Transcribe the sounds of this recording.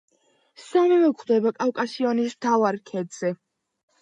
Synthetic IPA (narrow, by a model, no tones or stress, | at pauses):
samɛvɛkʰd̪ɛbakʼafkʼasiɔnismt̪ʰavaɾkʰɛd̪z̥ɛ